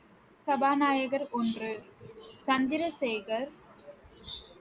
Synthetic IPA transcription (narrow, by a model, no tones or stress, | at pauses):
sɐbaːnaːjɐɣɐɾɔndrɯsɐnd̪ɪɾɐseːɣɐɾ